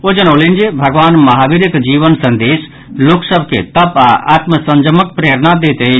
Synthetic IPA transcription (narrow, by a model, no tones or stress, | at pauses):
od͡ʒənələnd͡ʒebʱəɡʋaːnməɦaʋiɾəkd͡ʒiʋənsə̃nd̪eːs | loksəbʱket̪əpa̰ʔa̰t̪məsə̃nd͡ʒəmək̚pɾeɾnad̪et̪e